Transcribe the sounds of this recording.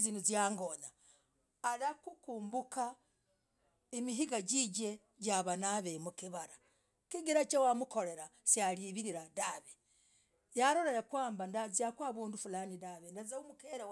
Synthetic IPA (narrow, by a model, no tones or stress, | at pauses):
zinuzjaːŋɡonaː | lakukuːmbuka | emiɦiɡaɟiɟe̞ | ɟaβanaβemukiβaɾa | kiɡiɾat͡ʃawamuko̞ɾe̞ɾasjaliβiɾiɾadaβe | jaɾoɾeɾakwaːmbandaziakwaːβuːndufulaːnidaβendazaumukeːɾa